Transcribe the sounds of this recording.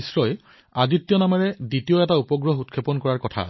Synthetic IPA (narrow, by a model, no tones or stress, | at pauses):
sɹɔj | aɡitːijɔnamaɹɛditioɛtaupɔɡɹɔɦut̚kʰepɔnkɔɹaɹkɔtʰa̰